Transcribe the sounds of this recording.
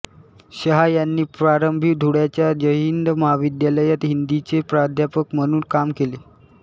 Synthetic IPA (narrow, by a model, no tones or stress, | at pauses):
ɕəɦajanːiːpɾaɾəmbʱid̪ʱuɽjat͡ɕjad͡ʑəɦind̪məɦaʋid̪jaləjat̪ɦind̪it͡sepɾad̪ʱjapəkməɽ̃uːnkamkele